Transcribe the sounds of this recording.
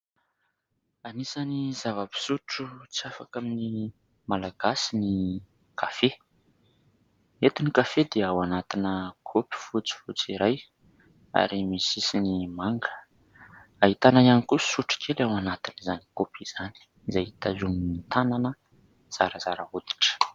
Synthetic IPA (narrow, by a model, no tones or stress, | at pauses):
anisanizavəpi̥suʈ͡ʂut͡siafa̰kamini | malaɡ̥asini | kʰafe | et̪unikafed̪eawanat̪inəkʰopi̥fut͡si̥fut͡siɾaj | a̰ɾimisisinimaŋɡə̥ | aɦit̪anaanikusuʈ͡ʂi̥kʰelawanat̪inizani̥kopʰiz̥ani̥ | izajit̪azuminit̪ananə | z̥aɾəzaɾəud̪i̥ʈ͡ʂə̥